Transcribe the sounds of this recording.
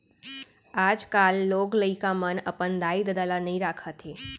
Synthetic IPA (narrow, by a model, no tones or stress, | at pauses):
aːd͡ʒkalːoːɡləikamənəpənd̪aːid̪əd̪əlanəĩɾaːkʰət̪ɦeː